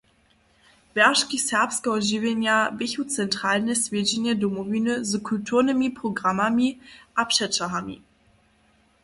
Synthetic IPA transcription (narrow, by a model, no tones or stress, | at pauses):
v̥ɛɐʃkisɛɐpskoʊʒivenjabeçut͡sɛntʁ̥aːlnɛsvid͡ʒinjədomoviːnəzəkʰultʰuːɐnəmipʁ̥oɡʁamamiʔapʃɛt͡ʃaɦamḭ